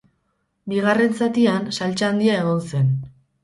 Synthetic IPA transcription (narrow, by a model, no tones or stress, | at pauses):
biɣare̞nsat̪iansalt͡ʃaaːnd̪iae̞ɣ̞o̞nse̞n